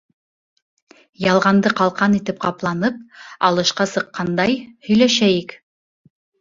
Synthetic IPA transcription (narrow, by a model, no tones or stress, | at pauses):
jɑlˠʁɑnd̪ɤqɑlˠqɑnit̪ɘp̚qɑplˠɑnɤp̚ɑlˠɤ̆ʃqɑsɤ̆qːɑnd̪ɑjhɵ̆jlæʃæjik